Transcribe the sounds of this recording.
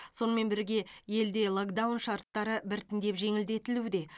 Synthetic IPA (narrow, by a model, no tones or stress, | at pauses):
so̞nəme̞nbɪɾɡʲe̞je̞ld̪e̞lˠo̞kd̪awnʃɑɾt̪ːɑɾəbɪɾt̪ɪnd̪e̞pʒe̞ŋɪld̪e̞t̪ɪlud̪e̞